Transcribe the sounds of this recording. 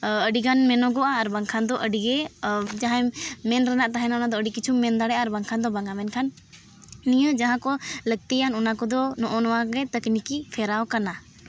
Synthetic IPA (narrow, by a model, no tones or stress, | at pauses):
əɖiɡanmɛnɔɡɔʔaːɾbaŋkʰand̪ɔʔəɖiɡɛd͡ʒaɦajmɛnɾɛnaʔt̪aɦɛnaɔnad̪ɔəɖikit͡ʃʰumːɛnd̪aɽɛʔaːɾbaŋkʰand̪ɔbaŋamɛnkʰanː | ijəd͡ʒaɦãkɔlək̚t̪ijanɔnakɔd̪ɔnɔʔɔnɔwaɡɛt̪əknikipʰɛɾawkana